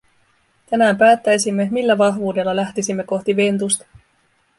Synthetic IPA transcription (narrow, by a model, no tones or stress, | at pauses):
t̪ænæːmpæːt̪ːæjsimːe̞milːæʋɑɦʋuːde̞lːɑlæht̪isimːe̞ko̞xt̪iʋe̞nt̪̬ust̪ɑ̥